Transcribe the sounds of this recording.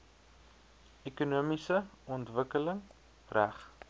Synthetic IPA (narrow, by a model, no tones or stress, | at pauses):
ekunuəmisəɔntvəkələŋ | ræχ